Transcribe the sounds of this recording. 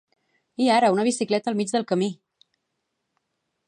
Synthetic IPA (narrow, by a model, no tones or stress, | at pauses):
iaɾəunəβ̞isiklɛt̪əlˠmid͡ʒðəlˠkəmi